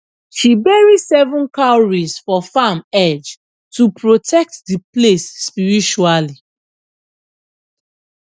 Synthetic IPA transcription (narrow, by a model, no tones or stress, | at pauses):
ʃibɛɹisɛvɔ̃nkaʊɹisfɔfamɛd͡ʒ | tupɹotʰɛk̚tdiplesːpiɹit͡ʃuali